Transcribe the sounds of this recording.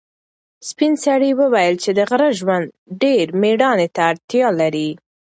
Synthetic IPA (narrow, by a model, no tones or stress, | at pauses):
spinsaɽiwəwajəlt͡ʃed̪əɣɾəʒwand̪ɖeɾmeɽɑnet̪aːɾt̪jɑlaɾi